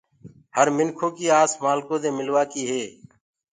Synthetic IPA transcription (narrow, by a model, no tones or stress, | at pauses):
həɾmɪnkʰõːkiːaːsmaːlkõːd̪ẽːmɪlʋaːkiːɦeː